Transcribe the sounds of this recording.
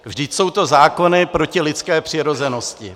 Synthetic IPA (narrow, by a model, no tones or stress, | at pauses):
vʒdɪcso̞wt̪o̞zaːko̞nɪpɾo̞cɪlɪt̪t͡skɛːpr̝̥ɪɾo̞zɛno̞scɪ̰